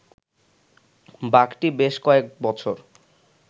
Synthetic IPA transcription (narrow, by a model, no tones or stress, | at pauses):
bakʈibeʃkɔek̚bɔt͡ɕʰoɾ